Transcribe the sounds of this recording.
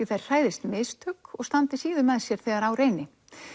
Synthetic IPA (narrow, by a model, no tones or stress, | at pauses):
ɪθajɾ̥r̥aːjðɪst̪mɪst̪hʏkːɔɣst̪ant̪ɪsiːðʏmɛðsjɛɾ̥θɛːɣaɾawɾeːjnɪ